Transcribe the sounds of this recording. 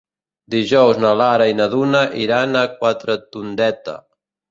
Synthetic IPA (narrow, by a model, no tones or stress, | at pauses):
d̪iʒɔwznalaɾainaðunaʔiɾanakwat̪ɾət̪und̪ɛt̪ə̰